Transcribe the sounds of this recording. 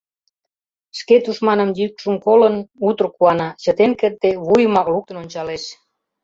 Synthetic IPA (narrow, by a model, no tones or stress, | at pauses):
ʃket̪uʃmɑnəmjyk̚ʃumkolənut̪ərkuɑnɑt͡ɕə̆t̪enkert̪eβujəmɑkluk̚t̪ənonʲt͡ɕɑleʃ